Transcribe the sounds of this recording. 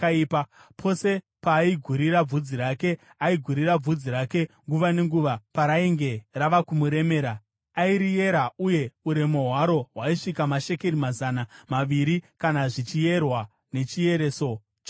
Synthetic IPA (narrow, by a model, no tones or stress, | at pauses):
ipa | pʰo̞se̞ | paːiɡʱuɾiɾab͡vud͡ziɾake̞ | aiɡʱuɾirab͡vud͡ziɾake̞ŋɡuʋane̞ŋɡuʋapaɾaiŋɡe̞raʋakumuɾe̞me̞ːɾa | aiɾije̞ɾauje̞uɾe̞mo̞ɦwaɾo̞ɦwaiʂikamaʃe̞keɾimazanamaʋiɾikanaʐit͡ʃije̞rwa | ne̞t͡ʃije̞ɾe̞ːso̞